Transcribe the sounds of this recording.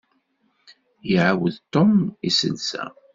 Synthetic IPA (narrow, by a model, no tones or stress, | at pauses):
jəʕawəðt̪omisə̰lsæ̰